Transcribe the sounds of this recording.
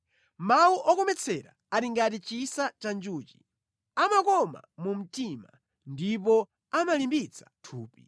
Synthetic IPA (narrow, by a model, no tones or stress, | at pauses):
mauʔɔkɔmɛt͡sʰɛɾa̰ | aɾiŋɡatit͡ʃisat͡ʃand͡ʒuːt͡ʃi̥ | amakɔma̰mum̩tima̰ | ndip̬ɔ | amalimbit͡sʰḁtʰuːpi